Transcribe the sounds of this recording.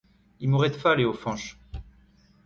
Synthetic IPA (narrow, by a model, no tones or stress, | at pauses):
imoʁɛd̪faleofɑ̃ʃ